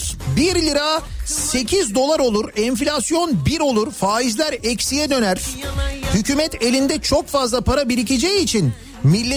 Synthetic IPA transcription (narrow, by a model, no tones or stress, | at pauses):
biɾlʲiɾase̞cʰizd̪o̞lˠaɾo̞lˠuɾɛɱflʲasjo̞nbiɾo̞lˠuɾfaːizlʲæɾɛcsijɛd̪ønæɾ̥hycʰyːmɛt̪ʰe̞lʲind̪ɛt͡ʃʰo̞kfazlˠapʰaɾabiɾiced͡ʒejiːt͡ʃʰin | milʲːe